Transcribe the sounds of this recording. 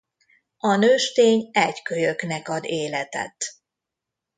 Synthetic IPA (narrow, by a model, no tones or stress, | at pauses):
ɒnøːʃt̪eːɲɛckøjøknɛkɒd̪eːlɛt̪ɛ̰t̪